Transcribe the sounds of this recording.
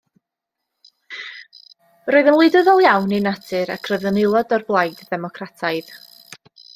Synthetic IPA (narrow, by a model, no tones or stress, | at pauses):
roɨðənlˠɨdəðɔlˠjawninatʰɨɾakʰroɨðənɪlˠɔdɔrblˠajdðɛmɔkʰratʰaɨð